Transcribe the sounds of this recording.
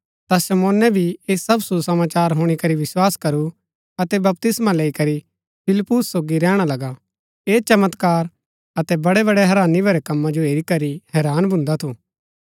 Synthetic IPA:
t̪asɐmoːnɛbʱieːsɐbsusɐmaːt͡ʃaːɾɦʊɽ̃ikɐɾiʋɪswaːskɐɾu | ɐt̪ɛbɐp̚t̪ɪsmaleːikɐɾi | pʰɪlpʊsːoːɡiɾɛ̃ːɽ̃alɐɡa | eːt͡ʃɐmət̪kaːɾ | ɐt̪ɛbɐɽɛbɐɽɛɦɐɾãːnibʱɐɾɛkɐmːãd͡ʒoeːɾikɐɾiɦɛːɾaːnbʱʊ̃nd̪at̪ʰuː

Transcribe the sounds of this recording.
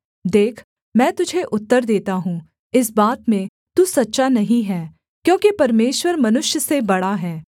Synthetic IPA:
d̪eːkʰ | mɛ̃ːt̪ʊd͡ʒʱeʔʊt̪ːəɾd̪eːt̪aɦũː | ɪs̬baːt̪mẽ | t̪usɐtːʃanɐɦĩɦɛː | kjõːkipɐɾmeːʃwəɾmɐnʊʃjəsebɐɽaɦɛː

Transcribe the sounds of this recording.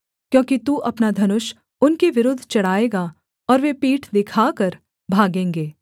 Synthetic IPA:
kjõːkit̪uːʔɐpnad̪ʱɐnʊʃ | ʊnkeʋɪɾʊd̪ʱːt͡ʃɐɽ̤aːeːɡa | ɔːɾʋepiːʈʰd̪ɪkʰaːkɐɾ | bʱaːɡẽːŋɡeː

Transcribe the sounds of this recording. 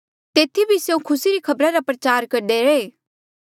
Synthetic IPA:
t̪eːt̪ʰibʱisjeũkʰʊsiɾikʰɐbɾãɾapɾɐt͡ʃaːɾkɐɾɖeɾɐeː

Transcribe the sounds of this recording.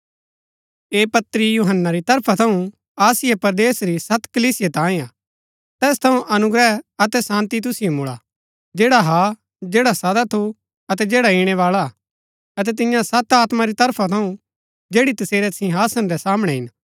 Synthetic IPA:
eːpɐt̪ɾijuɦənːaɾit̪ɐɾpʰat̪ʰɐũ | aːsɪjepɐɾd̪eːsɾisɐt̪kɐliːsɪjet̪ãːĩaː | t̪ɛːst̪ʰɐũʔɐnʊɡɾɛɐt̪ɛsãːnt̪it̪̬ʊsɪjomʊɭa̰ | d͡ʒeːɽaɦa | d͡ʒeːɽasɐd̪at̪ʰu | ɐt̪ɛd͡ʒeːɽaiɽ̃ɛʋaːɭa | ɐt̪̬ɛt̪̬ɪ̃jãsɐt̪aːt̪maɾit̪ɐɾpʰat̪ʰɐũ | d͡ʒeːɽit̪ɐseːɾɛsɪ̃ɦaːsənɾɛsaːmɽ̃ɛɦɪn

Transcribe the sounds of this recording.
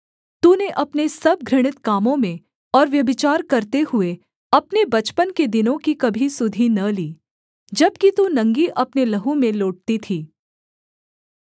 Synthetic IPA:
t̪uneʔɐpnesɐb̚ɡʱɾɪɽ̃ɪt̪kaːmõmẽ | ɔːɾʋjɐbɪt͡ʃaːɾkɐɾt̪ehʊe | ɐpnebɐt͡ʃpənked̪ɪnõkikɐbʱisʊd̪ʱinɐliː | d͡ʒɐb̚kit̪unɐ̃ŋɡiʔɐpnelɐɦumẽloːʈ̚t̪it̪ʰiː

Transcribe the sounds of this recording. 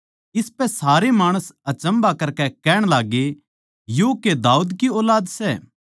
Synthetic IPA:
ɪspɛsaːɾemaːɽ̃əsɐt͡ʃɐ̃mbakɐɾkɛkɛːɽ̃laːɡe | joːked̪aːuːd̪kiɔːlaːd̪sɛː

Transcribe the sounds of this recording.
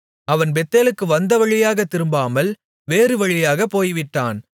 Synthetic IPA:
ɐʋɐnbɛt̪ːeːlɯkːɯʋɐnd̪ɐʋɐɻɪjaːɣɐt̪ːɪɾɯmbaːmɐl | ʋeːrɯʋɐɻɪjaːɣɐpːoːjʋɪʈːaːn

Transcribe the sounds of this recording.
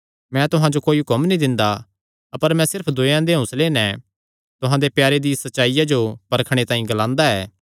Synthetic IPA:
mɛ̃t̪ʊɦãd͡ʒokoːiɦʊkəmnĩd̪ɪ̃nd̪a | ɐpəɾmɛ̃sɪɾpʰd̪oːjãd̪eɦʊ̃sleːnɛ̃ | t̪ʊɦãd̪epjaːɾed̪isɐtːʃaːijad͡ʒopɐɾəkʰɽ̃et̪ãːĩɡɐlãːnd̪aɛː

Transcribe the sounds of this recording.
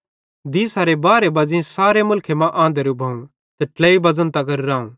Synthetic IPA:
d̪iːsaːɾebaːɾebɐd͡ʒĩsaːɾemʊlkʰemãʔãːnd̪əɾubʱɐːũ | t̪ɐʈlɛːibɐd͡zənt̪ɐɡɐɾɾaːũ

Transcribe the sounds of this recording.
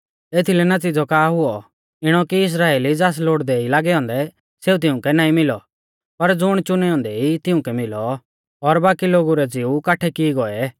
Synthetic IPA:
eːt̪ʰilɛnat͡sɪd͡zɔkaːɦʊɔ | ɪɽ̃ɔkiɪs̬ɾaːeːlid͡zaːs̬loːɽd̪ɛilaːɡɛɔ̃ːnd̪ɛ | seːut̪ɪʊ̃kɛnaːĩmɪlɔ | pɐɾd͡zʊɽ̃t͡ʃʊnɛɔ̃ːnd̪ɛit̪ɪũkɛmɪlɔː | ɾbaːkiloːɡuɾɛd͡ziukaːʈʰɛkiɡɔɛ

